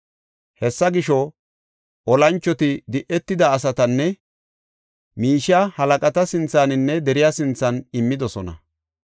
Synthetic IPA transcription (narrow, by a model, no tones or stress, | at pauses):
hɛsːɐɡɪʃɔ | ʔɔlɐnt͡ʃːɔt̪ɪd̪ɪʔɛt̪ːɪd̪ɐːs̬ɐt̪ɐnːɛ | miːʃɪjahɐlɐkʼɐt̪ɐsɪnt͡sːaːnɪnːɛd̪ɛɾɪjasɪnt͡sːɐnɪmːɪd̪ɔsɔnɐ̰